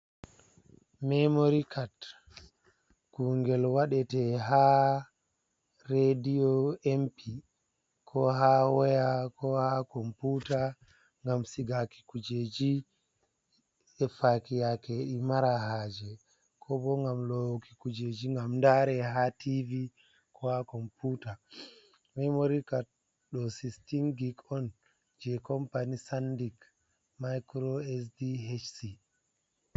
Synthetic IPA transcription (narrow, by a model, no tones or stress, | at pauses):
mɛmoɾikʰat | kuŋɡɛlwaɗɛtɛɦa | ɾediɔɛmpʰi | kʰɔɦawɛjakɔhakɔmputa | ŋɡamsiɡaki̥kud͡ʒed͡ʒi | ɛfakijakeɗimaɾahaːd͡ʒɛ | kʰɔbɔŋɡamlɔwoki̥kud͡ʒed͡ʒiŋɡamndaɾɛɦativi | kʰɔhakɔmputa | mɛmoɾika | ɗɔsistiŋɡikɔn | d͡ʒɛkɔmpanisandik | majkɾɔɛs̬diet͡ʃsi